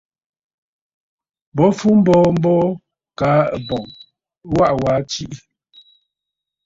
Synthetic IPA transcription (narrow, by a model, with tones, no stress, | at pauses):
bɔ˨˦fu˦m̩˦bɔː˦m̩˦bɔ˦ | ka˨˦˨bɔ˨ŋ | wa˦ʔwa˨˦t͡ʃi˦ʔ